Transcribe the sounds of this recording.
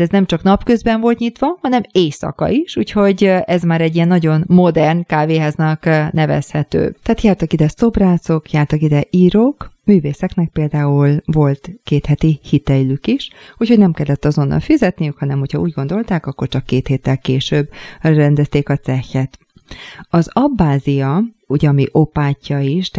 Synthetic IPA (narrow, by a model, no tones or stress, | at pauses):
ɛznɛmt͡ʃɒknɒpkø̞zbɛɱvo̞lt̪ɲit̪ʋɒhɒnɛmeːjsɒ̰kɒ̰iʃuːcho̞ɟɛzmaːɾɛɟːijɛnːɒɟo̞nmo̞d̪ɛrnkaːveːɦaznɒknɛvɛ̰shɛt̪ø̰ːt̪ɛaːt̪jaːrt̪ɒkid̪ɛso̞braːso̞kjaːrt̪ɒkid̪ɛʔiːɾokmyːveːsɛknɛk̚peːld̪aːulvo̞lt̪keːt̪hɛt̪ihit̪ɛjlykiʃhuːcho̞ɟnɛmkɛlːɛt̪ːɒzo̞nːʔɒ̰lfizɛt̪nijykhɒnɛmho̞chɒuːɟɡo̞nd̪o̞lt̪aːkɒkːo̞rt͡ʃɒkːeːt̪heːt̪ːɛlkeːʃøbːrɛnd̪ɛst̪eːkɒt͡ssɛxːɛt̪ | ɒzɒbːaːzijɒuɟɛɒmiʔopaːcːɒiʃ